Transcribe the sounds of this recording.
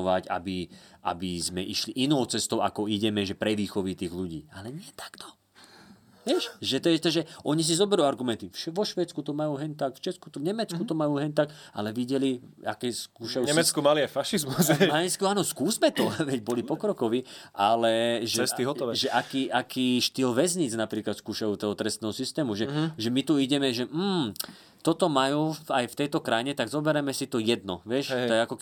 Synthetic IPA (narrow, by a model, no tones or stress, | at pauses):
ʋaca̰biʔa̰bizmɛʔiʃliʔinɔʊt͡sɛst̪ɔʊʔa̰kɔiɟɛmɛʒɛpɾɛʋiːxɔʋit̪iːɣluɟḭːalɛɲɪɛt̪ʰḁkt̪ʰɔ̥ | ʋɛʃʒɛt̪ɔɛt̪ɔʒɛʔɔɲis̬izɔbɛɾuaɾɡumɛnt̪ifʃɛʋɔʃʋɛːt͡skut̪ɔmajuːɦɛɲt̪akft͡ʃɛt͡sku̥t̪ɔvɲɛmɛt͡skut̪ɔmajuːɦɛɲt̪akʔa̰lɛʋiɟɛlia̰kɛːskuːʃajuɲɛmɛt͡skumaliajfaʃizmusaskiaːnɔskuːzmɛt̪ɔʋɛɟbɔlipɔkɾɔkɔʋiʔalɛʒɛɛst̪iɦɔt̪ɔʋɛʒɛʔakiːʔakiːʃt̪iːlʋɛzɲiːd͡znapɾiːklat̪skuːʃajuːt̪ɔɦɔt̪ɾɛst̪ɛːɦɔsist̪ɛːmuʒɛʒɛmit̪uiɟɛmɛʒɛm̩ː | t̪ɔt̪ɔmajuːajft̪ɛjt̪ɔkɾajɲɛt̪aɡzɔbɛɾɛmɛsit̪ɔjɛd̪nɔ̰ʋɛʃt̪ɔɛakɔk